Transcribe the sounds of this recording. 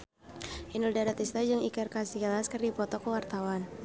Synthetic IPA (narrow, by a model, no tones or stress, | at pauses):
ʔinuldaɾat̪ist̪ad͡ʒɨŋikərkasiɡalaskɨrdipɔt̪ɔkəwart̪awan